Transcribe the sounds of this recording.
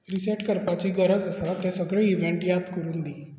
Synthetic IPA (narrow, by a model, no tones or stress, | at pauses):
ɾiseʈkəɾpat͡ɕiːɡəɾəd͡zəsat̪ɛsəɡɭeiʋeɳʈjad̪kəɾuːnd̪iː